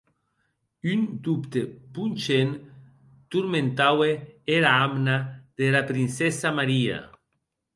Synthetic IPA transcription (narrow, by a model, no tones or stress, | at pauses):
ynd̪upt̪epunt͡ʃen | t̪uɾmẽnt̪aweeɾaamnað̥elapɾinsesamaɾia̰